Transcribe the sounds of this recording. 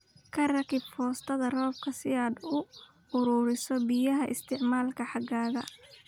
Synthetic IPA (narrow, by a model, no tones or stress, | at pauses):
kʰɐrɐkʰɪbfɔːst̪ʰɐðɐrɔːb̚kʰɐsɪaːd̪ʊ | ʊɾuːɾɪsɔbɪjɐɦɐʔɪ̰st̪ʰɪʕmaːlkʰɐħɑɡaːðɐ